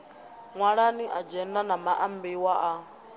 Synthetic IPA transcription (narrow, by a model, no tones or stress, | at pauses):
ŋwaɺaniʔad͡ʒɛndanamaʔambiwaʔa